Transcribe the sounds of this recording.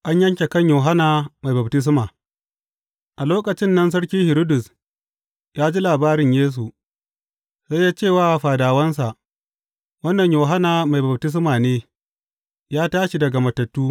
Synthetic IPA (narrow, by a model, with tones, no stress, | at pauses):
ʔa˦ɲjɐ˦ŋkʲe˨kɐ˦ɲjoː˨ɦa˦naː˨ma˨jbɐ˨btɪ˦s̬maː˨ | ʔa˨loː˦kʼɐ˨t͡ʃɪ˦nːɐ˦ns̬ɐ˦ɽkʲiː˦hɪ˨ɾo˦dʊ˨s | jaː˦d͡ʒi˦laː˨baː˦ɾɪ˨ɲjeː˦s̬u˨ | za˦jːaː˦t͡ʃeː˦˨waː˦˨ɸaː˨daː˨wɐ˦nsa˨ʔ | wɐ˦nːɐ˨ɲjoː˨ɦa˦naː˨ma˨jbɐ˨b̚tɪ˦s̬maː˨neː˦ | jaː˦taː˦ʃi˨dɐ˨ɡa˨mɐ˨tɐ˨tːuː˦